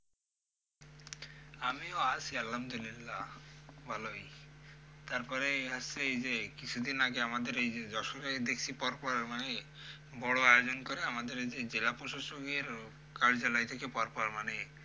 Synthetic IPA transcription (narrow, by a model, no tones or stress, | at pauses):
amioat͡ɕʰialɦamd̪ulilːabʱaloj | t̪aɾpɔɾeeɦaseejd͡ʑekit͡ɕʰud̪inaɡeamad̪eɾejd͡ʑed̪ɔʃoɾed̪ekʰt͡ɕʰipɔɾpɔɾmane | bɔɽoajod͡ʑonkoɾeamad̪eɾed͡ʑed͡ʑelapoʃoʃoɡeɾ | kaɾd͡ʑalajt̪ʰekepɔɾpɔɾmane